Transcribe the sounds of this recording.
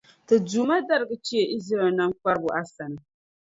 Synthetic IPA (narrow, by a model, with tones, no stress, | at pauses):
ta˨d͡ʒuː˨ma˦dɐ˦ɾɡa˨t͡ʃɪ˦a˨ʔɪ˦zɾa˨na˦ŋkʷa˦ɾbʊ˨ʔa˦sa˨na˨